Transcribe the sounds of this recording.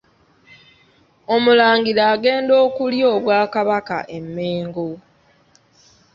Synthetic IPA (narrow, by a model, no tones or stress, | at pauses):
o̞mulaːŋɡiɾaːɡe̞ːndo̞ːkuljo̞ːβwaːkaβaka̰ʔe̞mːeːŋɡo̞